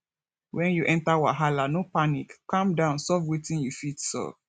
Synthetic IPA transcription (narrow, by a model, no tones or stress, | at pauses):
wɛ̃njuʔɛ̃ntawa̰ɦalanopanikkːãmdãʊ̃nsɔvwetĩnjufitsɔ̰v